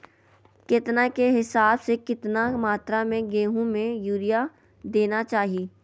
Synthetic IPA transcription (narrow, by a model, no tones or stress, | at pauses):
kɪt̪nakeɦɪsaːbsekɪt̪namaːt̪ɾamẽɡeːɦũmẽjuːɾija | d̪eːnat͡ʃaːɦieː